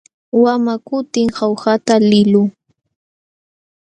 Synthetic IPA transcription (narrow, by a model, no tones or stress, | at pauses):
wamakʊt̪ɪŋhawxat̪alɪlʊŋ